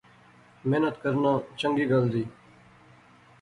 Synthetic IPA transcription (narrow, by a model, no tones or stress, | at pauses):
menət̪kəɾnãːt͡ʃəŋɡiːɡəld̪iː